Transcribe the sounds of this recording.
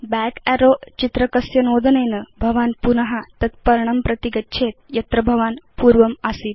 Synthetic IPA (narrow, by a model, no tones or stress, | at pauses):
bɛkæɾoːt͡ʃit̪ɾɐkɐsjɐnoːd̪ʱɐnejnəbʱɐʋaːnpunɐɦat̪ɐt̪̚pɐɾɳɐmpɾɐt̪iɡɐtːʃʰeːt̪̚jɐt̪ɾɐbʱɐʋaːnpuːɾʋɐmasiːt̪